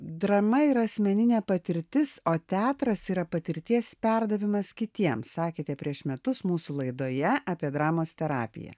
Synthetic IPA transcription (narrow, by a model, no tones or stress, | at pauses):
d̪ɾɐmɐiːɾɐɐsʲmʲɛnʲɪnʲæːpɐt̪ʲɪɾʲt̪ʲɪsoːt̪ʲæːt̪ɾɐsiːɾɐpɐt̪ʲɪɾʲt̪ʲiɛspʲɛɾd̪ɐʋʲɪmɐskʲɪt̪ʲiɛmsɑːkʲeːt̪ʲɛpʲɾʲiɛʃmʲɛt̪ʊsmuːsulˠɐɪd̪oːjɛʔɑːpʲiɛd̪ɾɑːmoːst̪ʲɛɾɑ̰ːpʲɪ̰jɛ̰